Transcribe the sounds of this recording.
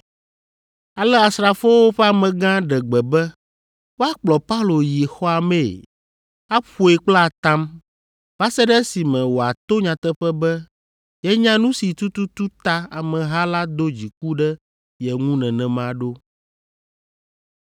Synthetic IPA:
a˨lɛ˦a˨sɾa˨fo˦wo˦ɸɛ˦a˨mɛ̃˨ɡã˦ɖɛ˨ɡ͡bɛ˨bɛ˦ | wo˦a˦k͡plɔ˨pa˦u˦lo˨ji˨xɔ˦a˨mɛ̃˦˨ | a˦ɸo˨e˨k͡pla˨t̪ã˦m | ba˦sɛ˦ɖɛ˦si˨mɛ̃˨wo˨a˨t̪o˦ɲã˨t̪ɛ˦ɸɛ˦bɛ˦ | jɛ˦ɲã˦nũ˦si˨t̪u˦t̪u˦t̪u˦t̪a˦a˨mɛ̃˨ɦa˦la˦d̪o˦d͡ʑi˨k̚u˦ɖɛ˦ | jɛ˨ŋũ˦nɛ̃˨nɛ̃˨mã˨ɖo˦

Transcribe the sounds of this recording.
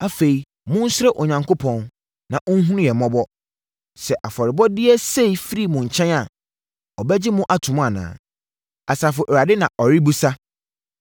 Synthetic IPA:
a˨fe˨i˨ | mʊ̃˦n̩˦sɾɛ˦ʔo˨ɲã˨ŋkʰo˦pʰɔ̃˨n | nã˨ʔʊ̃˦n˦ɦũ˦nʊ̃˦jɛ˨mɔ̃˦bɔ˦ | sɛ˨ʔa˨fɔ˨ɾɪ˨bɔ˦dɪ˦ɛ˦se˦i˨fi˦ɾi˦˨mʊ̃˨ɲ̩˨t͡ɕʰɛ̃˦na˨ | ɔ˨bɛ˦d͡ʑɪ˦mʊ̃˦ʔa˨tʰʊ̃˨m̃˦a˨nã̰ː˨ | a˨sa˨fʊ˨ʔɾa˨dɪ˦nã˨ʔɔ˨ɾi˦bu˦sa˦

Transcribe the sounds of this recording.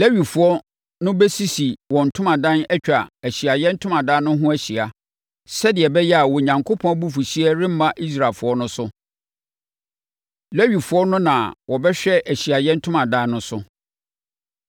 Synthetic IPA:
le˦ɥi˨fʊ˨ɔ˦ | nʊ̃˦bɛ˦si˦si˨wɔ̃˨n̩˨tʰʊ̃˦mã˨dã˦nɛ˦t͡ɕᶣa˨æ˨ɕi˨a˨jɛ̃˦n̩˦tʰʊ̃˦mã˨dãː˦nʊ̃˦ɦʊ̃˦æ˦ɕi˨a˨ | sɛ˦dɪ˨ɛ˨bɛ˦jɛ˦a˨wɔ˨ɲã˨ŋkʰo˦pʰɔ̃˦bu˦fu˨ɕi˦ɛ˦ɾɪ̃˦m̩˦mã˦ʔi˦s̬ɾa˨fʊ˨ɔ˦nʊ̃˦sʊ˦ | le˦ɥi˨fʊ˨˦ɔ˦nʊ̃˦nã˨wɔ˨bɛ˦ɕᶣɛ˦ʔæ˨ɕi˨a˨jɛ˦n̩˦tʰʊ̃˦mã˨dã˦nʊ̃˦sʊ˦

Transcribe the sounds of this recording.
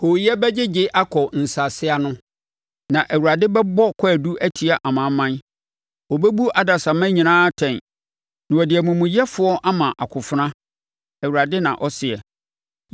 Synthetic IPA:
ho˨jɛ˦bɛ˦d͡ʑɪ˦d͡ʑɪ˦ʔa˦kʰɔ˨n̩˨sa˨sɪ˦a˦nʊ̃˦ | nã˨ʔæ˨wu˨ɾa˨dɪ˦bɛ˦bɔ˦kʰɔ˦æ˨du˦æ˦tʰi˨a˨ʔa˨mã˨˦mːã˦n | ɔ˨be˦bu˦ʔa˨da˨sa˨mã˦ɲĩ˨nãː˦tʰɛ̃˨n | nɪ̃˨ɔ˨dɪ˨ɛ˨mũ˨mũ˨jɛ˦fʊ˦ɔ˦ʔa˦mã˨ʔa˨kʰʊ˨fʊ˦ɾã˦ | æ˨wu˨ɾa˨dɪ˦nã˨ʔɔ˦sɪ˨ɛ˨

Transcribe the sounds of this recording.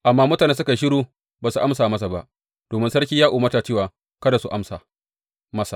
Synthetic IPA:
ʔa˨mːaː˦mʊ˦taː˨ne˦s̬ʊ˦ka˨ʃ̬ɪ˦ɽuː˦ | baː˨su˨ʔa˦msaː˨mɐ˦s̬a˨ba̰˦ʔ | d̥oː˨mɪ˦nsɐ˦ɽkʲiː˦jaː˦ʔuː˨mɐ˦ta˨t͡ʃɪː˦waː˨ | kɐ˦da˨su˨ʔa̰˦msa˨ | mɐ˦sa˨

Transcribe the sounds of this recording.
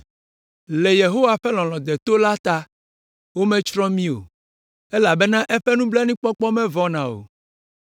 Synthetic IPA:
le˨je˨ɦo˦wa˦ɸɛ˦lɔ̃˨lɔ̃˨d̪ɛ˨t̪o˦la˦t̪a˦ | wo˦mɛ̃˦t͡ʃɾɔ̃˦mĩ˦o̰˨ | ɛ˦la˨bɛ˦nã˦ʔɛ˦ɸɛ˦nũ˦blɛ˦nĩ˦k͡pɔ˦k͡pɔ˦mɛ̃˦vɔ˦nã˨o̰˨

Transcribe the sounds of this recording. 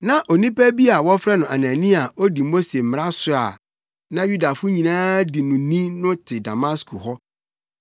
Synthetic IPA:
nã˨ʔo˨nĩ˦pæ˦bi˦a˨wɔ˦fɾɛ˦nʊ̃˨a˨nã˨nĩ˦a˨ʔo˦di˨mo˦se˨m̩˨m˨ɾa˦sʊ˨a̰˨ | nã˦ju˦da˨fʊ˦ɲĩ˨nãː˦di˨nʊ̃˨nĩ˦nʊ̃˦tʰɪ˨da˨ma˦skʰu˨ɦɔ˦

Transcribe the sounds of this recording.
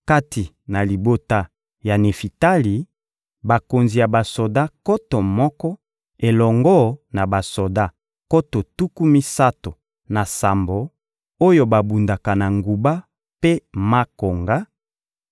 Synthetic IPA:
ka˦ti˨ | na˨li˨bo˦ta˦ | ja˨ne˨fi˨ta˦li˨ | ba˨ko˨nzi˨ja˨ba˨so˨da˦ko˦tɔ˨mɔ˦kɔ˦ | e˨lɔ˨ŋɡɔ˦na˨ba˨so˨da˦ | ko˦to˨tu˦ku˦mi˦sa˦to˨ | na˨sa˨mbo˨ | o˦jo˦ba˨bu˨nda˨ka˨na˨ŋɡu˨ba˦ | pe˦ma˦ko˨ŋɡa˦

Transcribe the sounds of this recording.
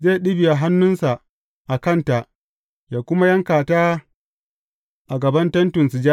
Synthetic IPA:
zeː˦˨ɗɪ˦bɪ˨ja˨ɦa˦nːʊ˦nsa˨ʔ | ʔa˨kɐ˦˨nta˨ʔ | jaː˨kʷʊ˦ma˦jɐ˦ŋkaː˨taː˦ | ʔa˨ɡɐ˨bɐ˦ntɐ˦ntʊ˨nsi˨d͡ʒa˦

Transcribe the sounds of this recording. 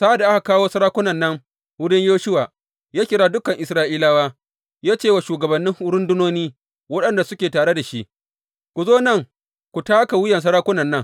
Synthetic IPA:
sa˦ʔa˨da˨ʔa˦a˨kaː˦woː˦sɐ˦ɾaː˦kʷʊ˦nɐ˨nːɐ˦ŋ | wʊ˦ɽɪ˦ɲjoː˦ʃʊ˦waː˨ | jaː˦kʲɪ˨ɽaː˦dʊ˦kɐ˨ŋʔɪ˨sɾaː˦ʔiː˦laː˦waː˦ | jaː˦t͡ʃeː˦˨wa˨ʃuː˨ɡɐ˨bɐ˨nːɪ˦ŋhʊ˦ɽʊ˦ndʊ˦noː˦niː˦ | wɐ˦ɗɐ˨nda˨sʊ˦kʲeː˨taː˨ɽe˦da˨ʃi˦ʔ | kʷu˨zoː˦nɐ˦˨ŋ | kʷu˨taː˦ka˨wʊ˦jɐ˨ns̬ɐ˦ɾaː˦kʷʊ˦nɐ˨nːɐ˦ŋ

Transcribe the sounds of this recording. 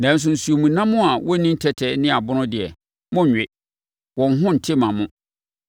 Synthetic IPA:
nã˨n̩˦s̬ʊ̃˨n̩˨su˨o˨mũ˨nã˦mʊ̃˦a˨wʔɔ˦nĩ˦n̩˦tʰɛ˦tʰɛ˨˦nɪ̃˦a˨bʊ˦nʊ̃˦dɪ˨ɛ˨ | mʊ̃˦˨ɲᶣɪ˨ | wɔ̃˨n˦ɦʊ̃˦n̩˨tʰɪ˦mã˨mʊ̃˦

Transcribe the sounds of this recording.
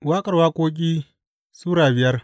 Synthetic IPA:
waː˦kʼɐ˨rwaː˦kʷoː˦k̬ʲʼiː˦ | suː˦ɽaː˨bɪ˨jɐ˦r

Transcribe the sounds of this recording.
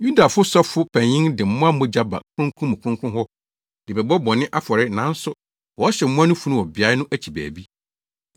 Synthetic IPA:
ju˦da˨fʊ˦sɔ˦fʊ˦pʰæ̃˨ɲɪ̃˦ŋdɪ˨m̩˦mʊ̃˦a˦mɔ̃˦d͡ʑa˦ba̰˨kʰʊ̃˦ŋkʰʊ̃˦mʊ̃˨kʰʊ̃˦ŋkʰʊ̃˦ɦɔ˦ | d̥ɪ˨bɛ˨bɔ˦bɔ˨nɪ̃˦ʔa˦fɔ˨ɾɪ˦nã˨˦n̩˦sʊ˦ | wɔ˨˦ɕɛ˨m̩˦ʊ̃˦a˦nʊ̃˦fu˨nũ˦˨wɔ˨bɪ˨a˨˦ɪ˦nʊ̃˦ʔæ˦t͡ɕʰi˨bæ̰ː˨bi˦

